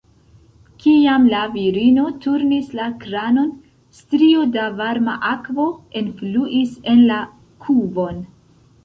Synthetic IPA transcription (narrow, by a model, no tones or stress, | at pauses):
kiamlaviɾino̞tuɾnislakɾano̞n | stɾiodavaɾma̰ʔakvo̞enfluʔise̞nla | kʰubo̞n